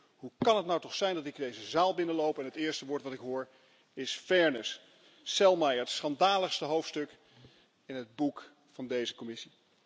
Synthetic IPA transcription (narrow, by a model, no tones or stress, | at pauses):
ɦukɑnətnawtɔχsɛjndɑtɪkdejzəzaːlˠbɪnəlowpɛnɦətɪːɹstəʋʊːɹtʋɑtɪkɦʊːɹ | ɪsfɛɹnəsː | ɛlˠmɛjətsχɑndaːləχstəɦowftstɵk | ɪnɦəd̚buk | fɑndejzəkomɪsi